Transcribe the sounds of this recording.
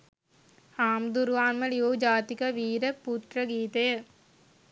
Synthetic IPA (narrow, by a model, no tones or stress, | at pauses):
aːmd̪uɾʋaːnmɐlijoːd͡ʒaːt̪ikɐʋiːɾɐpːuːt̪ɾɐɡiːt̪eː